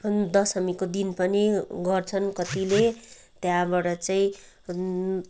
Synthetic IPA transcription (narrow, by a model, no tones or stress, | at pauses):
d̪ʌsʌmikod̪inpʌniɡʌrt͡sʰʌnkʌt̪ile | t̪jãbaʈʌt͡saĩ